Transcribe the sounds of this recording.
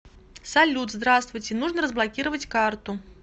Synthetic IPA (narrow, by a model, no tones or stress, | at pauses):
salʲut̪zd̪ɾast̪vujt͡sʲɛnuʐnɐɾəzblˠakʲiɾɐvɐt͡sʲkart̪u